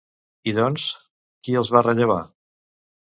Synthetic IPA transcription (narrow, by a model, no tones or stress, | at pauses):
iðɔns | kiəlˠzβarəʎəβa